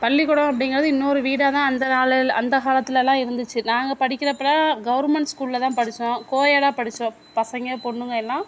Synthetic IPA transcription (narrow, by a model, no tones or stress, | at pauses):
pɐɭːɪkːɔɽõːɐp̬ːɐɽɪŋɡɪɾɐðɯɪnːoɾɯʋiːɽaːt̪ãːɐnd̪ɐkaːlɐlɐnd̪ɐkaːlɐt̪ːɪlɛlːãːɪɾɯnd̪ɯt͡ʃːɯnaːŋɡɐpɐɽɪkʲːɪɾɐpːɐɭaːɡɐʋɐɾmɛɳʈskuːllɐt̪ãːpɐɽɪt͡ʃːõkoːjɐɽaːpɐɽɪt͡ʃːõ | pɐsɐŋɡepɔɳːɯŋɡɐɛlːãː